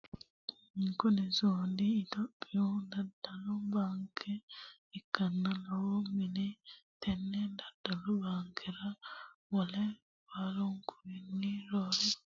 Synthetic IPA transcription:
iŋkonezoːndiːtopijondadalobaŋkʰe | ikanːalawominitenːendad̥aloβaŋkʰeɾaβole | βaloŋkuɾiniɾoɾo

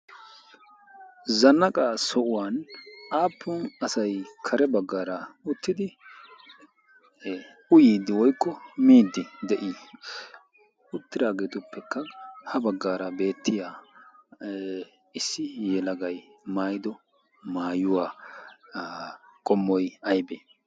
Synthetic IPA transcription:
zɐnːɐkʼasɔʔʊwaːnʔaːpʰːʊnɐsɐjkʰɐɾɛbɐɡːaːɾɐʊt̪ːɪd̪ɪ | ʊjiːd̪ɪwɔjkːɔmiːd̪ːɪd̪ɛʔi | ʊt̪ːɪɾaːɡeːt̪ʊpːɛkːɐhɐbɐɡːaːɾɐbe̞ːt̪ʰːɪjaː | ɪsːɪjɛlɐɡɐjmaːjd̪ɔ | maːjʊwaː | kʼɔmːɔjɐjbeː

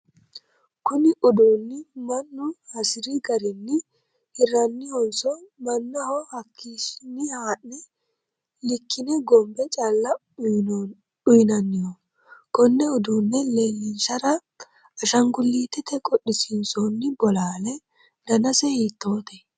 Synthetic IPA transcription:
kʊnɪʔʊd̪uːnːɪmɐnːʊhɐsɪɾiɡɐɾɪnːɪ | hɪrɐnːɪhɔnsɔmɐnːɐhɔhɐkʰːiʃnːɪhaːʔnɛ | lɪkːɪnɛɡɔmbɛt͡ʃʼalːɐ | ʊjnɐnːɪjɔ | kɔnːɛʊd̪uːnːɛle̞ːlːɪnsɐɾɐ | ɐʃɐŋɡʊlːiːt̪ːɛt̪ɛkʼɔɗːɪsinsonːɪbɔlaːlɛ | d̪ɐnɐsɛhiːt̪ːoːt̪ɛ

